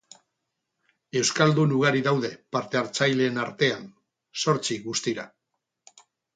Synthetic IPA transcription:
e̞wskald̪unuɣ̞aɾiðawðe̞paɾt̪e̞aɾt͡sajle̞ːnaɾt̪e̞an | so̞ɾt͡siɣust̪iɾa̰

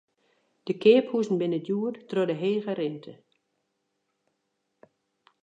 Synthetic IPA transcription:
d̥əkɪːphuzn̩bɪnədjuərtrodəɦeːɣərɪntʰə

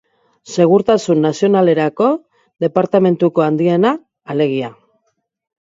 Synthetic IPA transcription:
se̞ɣ̞uɾt̪asunːasio̞nale̞ɾako̞ | ðe̞paɾt̪ame̞nt̪uko̞and̪ienaː | le̞ɣ̞ia

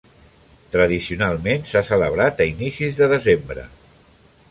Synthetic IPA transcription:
t̪ɾəð̞isiunalˠmensasələβ̞ɾat̪əinisizðəðəzembɾə̰

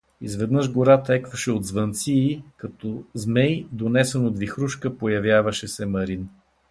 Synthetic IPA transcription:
izvɛd̪nɤʒɡoɾat̪ɛkvɐʃɛod̪zvɐnt̪siːkɐt̪ɔzmɛjd̪onɛsɛnod̪vixɾuʃkəpojɐvʲjavɐʃɛsɛmɐɾin

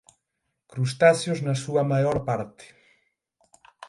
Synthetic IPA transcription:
kɾust̪asjoznasuɐmajoɾpaɾt̪e̥

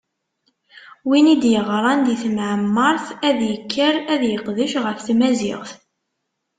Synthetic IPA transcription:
winid̪jəʁɾˤɑnd̪iθmʕəmːəɾˤθæðjəkːəɾæðjəqðəʃʁəfθmæzɪ̰ʁθ

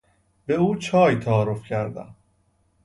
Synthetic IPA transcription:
beuːt͡ʃʰɒːjt̪ʰæɒːɾofcʰæɾd̪æ̰m

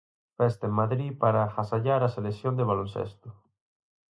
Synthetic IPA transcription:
fɛst̪aemmaðɾipaɾaxasaʎaɾaselesjond̪eβalonsḛst̪o

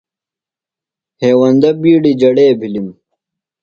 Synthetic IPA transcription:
heːwɐnd̪ɐbiːɽid͡ʑɐɽeːbʱilim

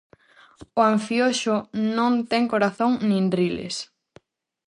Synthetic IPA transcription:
ʊãɱfjoʃʊnõŋt̪ɛŋkoɾaθoŋnĩnrilḛs

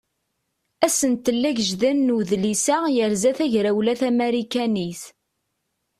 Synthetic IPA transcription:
æsənt̪əlːæʝəʒðænːuðlisæjəɾzæθæʝɾæwlæθæmæɾikæniθ

